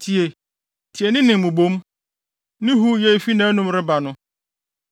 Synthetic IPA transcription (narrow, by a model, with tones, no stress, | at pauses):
tʰi˨e˨ | tʰi˨e˨nɪ̃˦nɪ̃˨m˨mʊ̃˨bõ˦m | nɪ̃˦ɦu˦je˦˨fi˦nã˨˦nʊ̃˦mɾɪ˦ba˨nʊ̃˦